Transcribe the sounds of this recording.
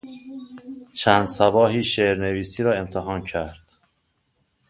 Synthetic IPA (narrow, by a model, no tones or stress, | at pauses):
t͡ʃʰænd̪̥sæbɒːɦiːʃeɾne̞viːsiːɾɒːe̞mt̪ʰeɦɒːncʰæɾd̪̥